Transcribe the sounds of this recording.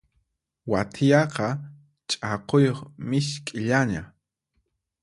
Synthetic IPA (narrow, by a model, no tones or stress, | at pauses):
wat̪ʰɪjɑqɑ | t͡ʃʼɑqojoχmɪʃkʼɪʎaɲa